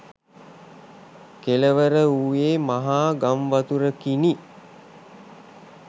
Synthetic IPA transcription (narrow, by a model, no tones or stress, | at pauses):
keləʋəɾəuʋeːmaɦaːɡamʋat̪uɾəkini